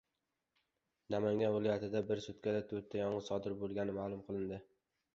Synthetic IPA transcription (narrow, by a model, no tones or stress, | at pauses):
namaŋɡʲanvɪlˠɒjat̪ʰɪd̪abɪɾsʊt̪̚kʲad̪at̪ʰɵɾt̪ʰːajɒɴʁɨsɒd̪ɪɾbolˠɡʲanɪmaːlˠʊmqʰɨlˠɪnd̪ɪ